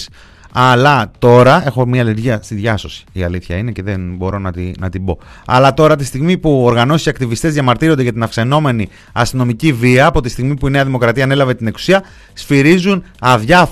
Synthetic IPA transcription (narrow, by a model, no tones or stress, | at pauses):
ɐlɐt̪o̞ɾɐe̞xo̞mɲɐːleɾʝiɐst̪iðʝɐso̞si̥iɐ̰liθçɐine̞ce̞ðenbo̞ɾo̞nɐt̪inɐt̪ibo̞ɐ̰lɐt̪o̞ɾɐt̪ist̪iɣmipuoɾɣɐno̞si̥siɐkt̪ivist̪ezʝɐmɐɾt̪iɾod̪ʝɐt̪inɐfkse̞no̞me̞ni | ɐst̪ino̞miciviɐːpo̞t̪ist̪iɣmipuine̞ɐðimo̞kɾɐt̪iɐne̞lɐve̞t̪ineksu̥siɐ | sfiɾizunɐvʝɐ